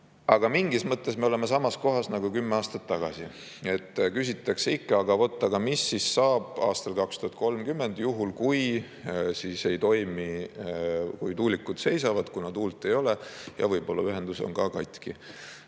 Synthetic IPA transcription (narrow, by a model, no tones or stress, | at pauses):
ɑɡ̥ɑmiŋɡismɤt̪ːˑe̞sme̞ole̞mes̬ɑmɑsko̞ɦɑsnɑɡukymːeɑːst̪ɑt̪ːɑɡ̥ɑsi | e̞t̪ːˑkys̬ʲit̪ːˑɑkseikːɑɑɡ̥ɑo̞t̪ˑːɑɡ̥ɑmisːisːɑːb̥ɑːst̪ɑlkɑkst̪uhɑt̪̚ˑko̞lmkymːe̞nd̪̥juɦulkuj | sise̞jt̪o̞jmi | kujt̪uːlikːˑud̪̥se̞jsɑvɑd̪̥kunɑt̪uːlt̪ːˑe̞jo̞lejɑ̰vɤjb̥o̞lːɑ̰yɦe̞nd̪̥uso̰nkɑkɑjt̪ʲki